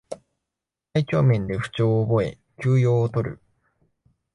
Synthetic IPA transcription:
tait͡ɕʲo̞ːmẽ̞nd̪e̞ɸɯ̟̥t͡ɕo̞ːbo̞e̞ | kʲɨːjo̞ːt̪o̞ɾɯ̰

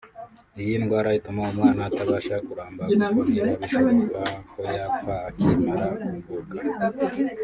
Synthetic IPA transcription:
ijinɡwaːɾajitumaomŋaːnaːtaβaːʃakuɾaːmbaaβiʃokakojafaːkimaɾakuuvuka

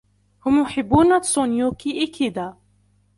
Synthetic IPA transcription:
hʊmjʊħɪbːuːnat̪sˤonjuːkiʔɪkʰid̪aː

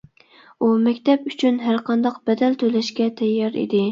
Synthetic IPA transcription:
umɛkʲt̪ʰɛpyt͡ʃʰynɦæɾqʰɑnd̪ɑqb̥ɛd̪ɛlt̪ʰølɛʃkʲɛt̪ʰɛjːɑɾḭd̪ɪ

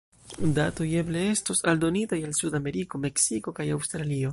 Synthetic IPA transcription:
dato̞je̞ble̞e̞sto̞saldo̞nitajalsudame̞ɾiko̞me̞ksiko̞kajawstɾalio̞

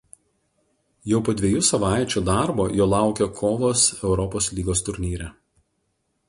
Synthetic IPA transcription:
jɛʊpoːd̪ʲʋʲɛjʊsɐʋɑˑɪt͡ʃʲuːd̪ɑˑɾboːjoːlˠɑˑʊkʲɛkʰɔːʋoːsɛʊɾɔpoːslʲiːɡoːst̪ʊɾʲnʲiːɾʲɛ

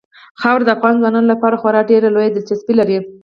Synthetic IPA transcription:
xɑwɾd̪əafɣɑnzwɑnɑnolapɑɾaxwaɾɑɖeɾalojad̪ɪlt͡ʃasbilaɾi

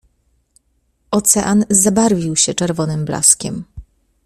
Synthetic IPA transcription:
ɔt̪sɛʔanzabaɾvʲiwɕɛt͡ʂɛɾvɔnɘmbla̰skʲɛ̰m

